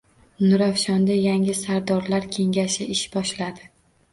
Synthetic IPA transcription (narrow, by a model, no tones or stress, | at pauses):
nʊɾafʃɒnd̪ajaŋɪsaɾd̪ɒɾlaɾkʲʰe̞ŋɡʲaʃɪɪʃb̥ɒʃlad̪ɪ